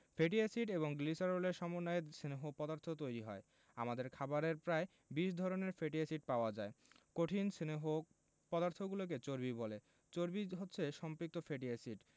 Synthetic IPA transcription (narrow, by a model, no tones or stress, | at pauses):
fʰeʈiesiʈeboŋɡlisaɾoleɾʃɔmonːajeɾsineɦopɔd̪aɾt̪ʰot̪ojɾiɦɔ̰e | a̰mad̪eɾkʰabaɾeɾpɾae | biʃ̬d̪ʱɔɾoneɾfeʈiesiʈ̚paoad͡ʑaekoʈʰinsineɦo | pɔd̪aɾt̪ʰoɡulok̬et͡ɕoɾbibole | t͡ɕoɾbiɦotːɕʰeʃɔmpɾik̚t̪ofeʈiasiʈ